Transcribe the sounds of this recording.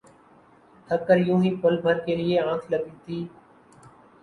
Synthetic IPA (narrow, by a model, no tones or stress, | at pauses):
ʈʰəkəɾjũːɦiːpəlbʱəɾkeːlɪeːãːkʰləɡiːt̪iː